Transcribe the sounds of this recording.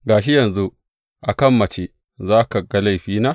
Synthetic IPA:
ɡaː˨ʃ̬i˦jɐ˨nzu˦ | ʔa˨kɐ˦˨mːɐ˨t͡ʃe˦ | zaː˦ka˨ɡɐ˦la˦˨jɸiː˦naː˦

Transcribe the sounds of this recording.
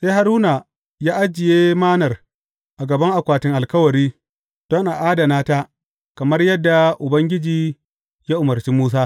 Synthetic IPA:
se˦jha˨ɾuː˦na˨ | jaː˦ʔa˦d͡ʒːɪ˨jeː˦maː˦nɐ˨r | ʔa˨ɡɐ˨bɐ˦ŋʔa˨kʷaː˨tɪ˦ŋʔa˨lkɐ˦wɐ˨ɾiː˦ | d̥ɔ˦ŋʔa˨ʔaː˦da˨naː˦ta˦ | kɐ˨mɐ˦rjɐ˦dːa˨ʔʊ˨bɐ˦ŋɡʲɪ˦d͡ʒiː˨ | jaː˦ʔʊ˨mɐ˨rt͡ʃiː˦muː˦s̬aː˦

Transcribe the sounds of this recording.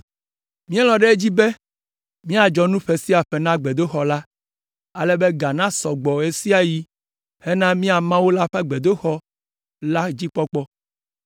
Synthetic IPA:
mĩ˦ɛ˦lɔ̃˨ɖe˦e˦d͡ʑi˦be˦ | mĩ˦a˨d͡ʒɔ˨nũ˦ɸe˨si˦a˨ɸe˨nã˦ɡ͡be˨d̪o˦xɔ˨la˦ | a˨le˦be˦ɡa˨nã˦sɔ˨ɡ͡bɔ˨e˦si˦a˨ji˦ | he˦nã˦mĩ˦a˨mã˦wo˦la˦ɸɛ˦ɡ͡be˨d̪o˦xɔ˦ | la˦d͡ʑi˦k͡pɔ˦k͡pɔ˦

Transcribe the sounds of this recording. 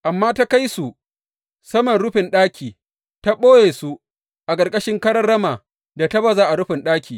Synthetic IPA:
ʔa˨mːaː˦ta˦ka˦jsu˨ | sɐ˦mɔ˨nɽʊ˦ɸɪ˨nɗaː˦kʲiː˨ | ta˦ɓoː˦jeː˨su˦ | ʔa˨kʼɐ˨rkʼɐ˦ʃɪ˦ŋkɐ˦ɽɐ˦rːɐ˦maː˨ | da˨ta˦bɐ˦˨zaː˦ʔa˨ɽʊ˦ɸɪ˨nɗaː˦kʲʰiː˨

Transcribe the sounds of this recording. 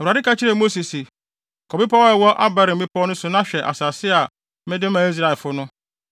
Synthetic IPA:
ɛ˨a˨dɪ˦ka˦t͡ɕʰɪ˦ɾɛ˨mo˦si˨si˨ | kʰɔ˨bɪ˦pʰɔ˦ɛ˨wɔ˦ʔa̰˦ba˦˨ɾɪ̃˨m̩˨bɪ˦pʰɔ˦nʊ̃˦sʊ˨nã˦ɕᶣɛ˨ʔa̰˨saː˨sɪ˦a˨ | mɪ̃˦dɪ˦mã˨i˦s̬ɾa˨ɛ˨fʊ˦nʊ̃˦

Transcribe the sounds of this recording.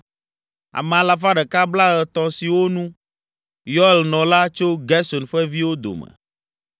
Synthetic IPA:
a̰˨mɛ̃˨a˨la˨fa˦ɖɛ˨ka˦bla˦ɣɛ˨t̪ɔ˨si˨wo˦nũ˦ | jɔ˦ɛ˨lnɔ̃˨la˦t͡ʃo˦ɡɛ˦sɔ˨nɸɛ˦vi˦wo˦d̪o̰˨mɛ̰˨

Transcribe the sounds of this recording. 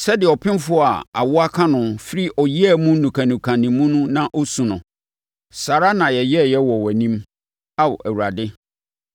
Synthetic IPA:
sɛ˦dɪ˨ɔ˨pʰɪ̃˦n˦fʊ˦˨a˨a̰˨wʊ˦a˦kʰã˦nʊ̃˨fɪ˦ɾi˦ʔɔ˨ji˦ɛ˦mũ˦nũ˨kʰã˨nũ˨kʰã˨nĩ˨mːũ˦nʊ̃˦nã˦ʔɔ˦sũ˨nʊ̃˨ | sa˨ɾa˦nã˨jɛ˨jɛ˦˨jɛ˦wɔ˨wɛ˨nĩ˦m | a˦wʊ̰˨ʔæ˨wu˨ɾa˨dɪ˦

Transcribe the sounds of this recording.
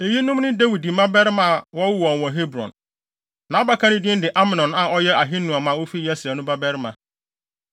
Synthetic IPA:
e˨ji˦nʊ̃˦mnʊ̃˦de˦wi˨di˨˦mã˦bɛ˦ɾɪ˦mã˦˨wɔ˦wʊ˦wɔ̃˨n˨wɔ̃˨ɦe˦bɾɔ̰̃˨n | nã˨˦ba˦kʰã˦nʊ̃˦dɪ˦ɪ̃˦dɪ˨ʔa˦mã˨nɔ̃˨nã˨ɔ˦jɛ˦a˨ɦɪ˦nːʊ̃˨a˨mã˨wo˦fi˦jɛ˦sɪ˨a˨nʊ̃˦ba˦bɛ˦ɾɪ˦mã˨

